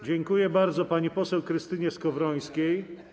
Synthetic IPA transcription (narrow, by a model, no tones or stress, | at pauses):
d͡ʑɛŋkujɛbaɾd̪zɔpaɲipɔsɛwkɾɘst̪ɘɲɛskɔvɾɔj̃skʲej